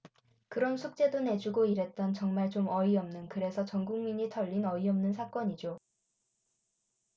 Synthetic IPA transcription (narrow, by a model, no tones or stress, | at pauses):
kɯɾʌnsʰuk̚t͡ɕ͈e̞done̞d͡ʑuɡoiɾe̞t̚t͈ʌnt͡ɕʌŋmaɭt͡ɕomʌiʌmnɯnkɯɾe̞sʰʌt͡ɕʌŋɡuŋmiɲitʰʌʎːinʌiʌmnɯnsʰak͈ʌɲid͡ʑo